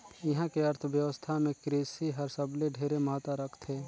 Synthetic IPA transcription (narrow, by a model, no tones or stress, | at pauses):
ɪɦãkeəɾt̪ʰʋjəʋəst̪ʰamẽkɾeːsiɦəɾsəbleɖʱeːɾeməɦət̪ːaɾəkʰt̪ʰɦeː